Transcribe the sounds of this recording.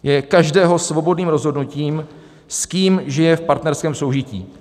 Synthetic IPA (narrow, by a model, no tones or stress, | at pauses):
jɛkaʒdɛːɦo̞svo̞bo̞dniːmɾo̞zɦo̞dnuciːm | skiːmʒɪjɛfpaɾt̪nɛɾskɛːmso̞wʒɪcḭː